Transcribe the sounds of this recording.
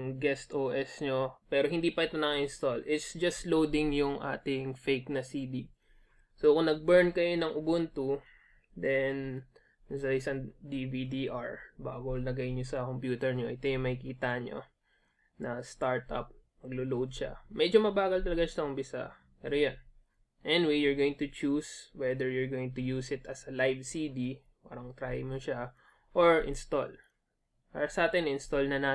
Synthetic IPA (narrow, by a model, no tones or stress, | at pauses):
ŋɡɛst̪ʔoːʔɛsɲo̞pɛːɾoɦɪnd̪iːpɐʔɪt̪onɐŋɐɪnst̪olɪt̪sd͡ʒɐst̪lowd̪ɪŋjʊŋʔa̰ːt̪ɪŋfejknɐsiːd̪i | sokʊŋnɐɡ̚bɛɹnkɐjo̞nɐŋʊbʊnt̪u | d̪ɛn | sɐɪsɐŋd̪ivid̪iʔaɹba̰ːɡonɐɡɐjɪnɲosɐkompjuːt̪ɛɹɲo̞ʔɪt̪o̞jʊŋmɐhɪkiːt̪ɐɲo̰ | nɐst̪aɹt̪ɐ̰p̚mɐɡlolowd̪̚ʃa̰mɛd͡ʒomɐbaːɡɐlt̪ɐlɐɡaʃɐʊmpɪsɐ̰ | pɛ̰ːɾojan | ʔɛnɪwejjʊɹɡowjɪŋt̪ʊt͡ʃuswɛd̪ɛɹjʊɹɡoːwɪ̃ŋt̪ʊjuːsɪt̪ɐsɐlajvsid̪i | pa̰ːɾɐŋt̪ɾajmoʃa | ʔoɹʔɪ̰nst̪o̰l | pa̰ːɾɐsɐʔaːt̪ɪnʔɪnst̪olnɐnaː